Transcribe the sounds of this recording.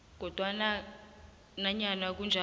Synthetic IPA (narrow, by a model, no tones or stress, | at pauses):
k̬ɔd̥ʱwana | naɲanak̬und͡ʒʱa